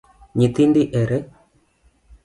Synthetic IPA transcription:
ɲit̪indiʔɛɾɛ

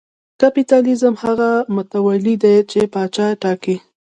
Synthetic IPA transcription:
kapit̪ɑlizəmhaɣamʊt̪awalid̪et͡ʃepɑt͡ʃɑʈɑki

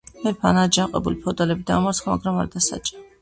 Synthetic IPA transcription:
mɛpʰanad͡ʒaqʼɛbulipʰɛɔd̪alɛbid̪a̰ːmat̪sχama̰ɡɾamaɾd̪asa̰t͡ʃʼa

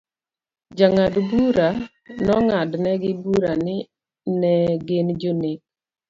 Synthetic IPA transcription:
d͡ʒaŋadbuɾa | nɔŋadnɛɡɪbuɾanɪ | nɛɡeɪnd͡ʒonek

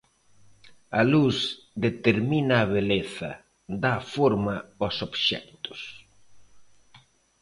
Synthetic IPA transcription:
alus | d̪et̪eɾminaːβeleθɐ̰ | d̪afoɾmɐosobʃɛ̰kt̪ʊ̥s

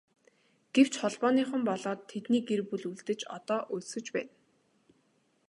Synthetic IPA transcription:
ɡ̥ew̥t͡ɕχɔɮpɔːniːχə̆mpɔɮɔːt̪ʰːet̪niːɡerpuɮuɮt̪ɘ̆t͡ɕɔ̰t̪ɔːʔɵɮsɵ̆t͡ɕpæ̰ːn

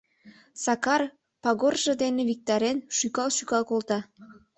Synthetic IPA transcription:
sɑkɑr | pɑɣorʒəd̪eneβik̚t̪ɑɾenʃykɑlʃykɑlkolˠt̪ɑ

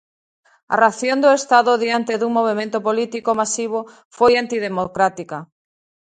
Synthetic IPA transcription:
a̰raθjond̪oest̪aðʊðiant̪eðuŋmoβ̞emẽnt̪opolit̪ikomasiβ̞o | fojant̪iðemokɾat̪ikɐ

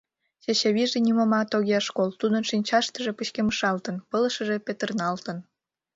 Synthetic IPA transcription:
ɕeɕeβiʒenimomɑt̪oɣʲeʃkolt̪ud̪ənʃinʲt͡ɕɑʃt̪əʒe̽pət͡ɕkeməʃɑlt̪ənpələʃəʒepet̪ərnɑlt̪ən

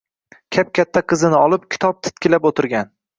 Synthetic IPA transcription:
kʲʰap̚kʲʰat̪ʰːaqʰɨzɪnɪɒlˠɪp̚kʲʰɪ̥t̪ʰɒp̚t̪ʰɪ̥t̪̚kʲɪlapot̪ʰɪɾɡʲan

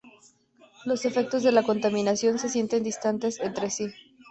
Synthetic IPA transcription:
lo̞se̞fe̞k̚t̪o̞zðe̞lako̞nt̪amĩnasjo̞nse̞sje̞nt̪e̞nd̪ist̪ant̪e̞sent̪ɾe̞si

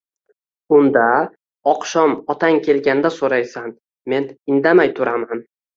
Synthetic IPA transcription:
ʊnd̪a | ɒqʃɒmɒt̪ʰaŋkʲʰe̞lɡʲand̪asoɾajsan | me̞nɪnd̪amajt̪ʰʊɾaman

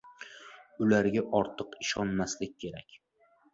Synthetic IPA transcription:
ʊlaɾɡʲaʔɒɾt̪ʰɨqɪʃɒnmaslɪk̚ʲkʰːe̞ɾakʲ

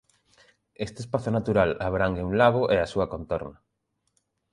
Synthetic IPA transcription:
est̪espaθonat̪uɾalaβɾaŋɡeulaβoʔeasuɐkont̪ɔɾnɐ

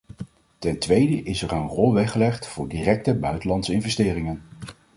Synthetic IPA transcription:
tɛntʋejdəʔɪsɛrənrɔlˠʋɛχəlɛχtfʊːɹdiːrɛk̚təbœɥtəlɑntsɪnvɛstɪːrɪŋən

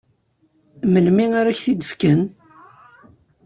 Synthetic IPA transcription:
məlmiaɾæçθid̪əfkən

